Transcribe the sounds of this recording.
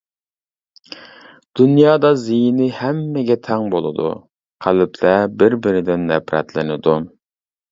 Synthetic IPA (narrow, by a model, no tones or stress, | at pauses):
d̪̥unjɑːd̪ɑzijinɪhæmːɪɡʲɛt̪ʰɛŋbolˠɨ̰d̪ṵ | qʰælɪpʰlɛbɪɾbɪɾɪd̪ɪnːɛpɾɛ̰t̪lɪnɪd̪u